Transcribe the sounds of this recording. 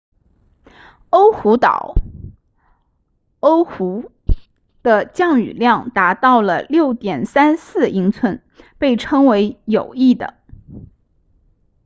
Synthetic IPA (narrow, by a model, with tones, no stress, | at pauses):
o˥ʊxu˧˥t̪ɑ̰˨˩˦ʊ | o˥ʊxu˧˥ | d̪̥ə˧t͡ɕjɑ˥˩ŋy̰˨˩ljɑ˥˩ŋt̪a˧˥t̪ɑ˥˩ʊlə˩ljo˥˩ʊt̪jɛ˨˩nsa˥nsɹ̩˥˩i˧˥ŋt͡sʰwə˧˥n | pe˥˩ɪʈ͡ʂʰɤ˥ŋwe˧˥ɪjo˨˩ʊi˥˩d̪ə̰˩